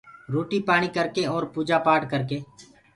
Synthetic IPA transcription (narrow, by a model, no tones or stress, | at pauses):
ɾoːʈiːpaːɽ̃ikəɾkeɔːɾpuːd͡ʒaːpaːʈkəɾkeː